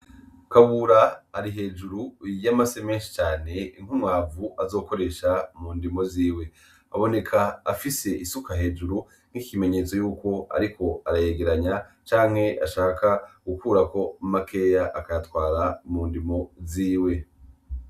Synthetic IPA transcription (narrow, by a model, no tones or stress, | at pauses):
kaβuɾaːɾiɦe̞ːd͡ʒuɾujamase̞meːnʃi̥t͡ʃaːne̞iŋ̥humŋwaːvuʔazo̞ːko̞ɾe̞ʃamuːndimo̞ziːwe̞ | aβo̞ne̞kʰaːfise̞ʔisukaɦe̞ːd͡ʒuɾu | ŋ̥hikime̞ɲe̞ːt͡so̞juːko̞a̰ɾikʰo̞aɾajeɡe̞ɾaɲa | t͡ʃaːŋ̥he̞ʔa̰ʃaːkaɡ̥ukuːɾako̞make̞jaʔːkajatwaːɾamundimo̞ziːwe̞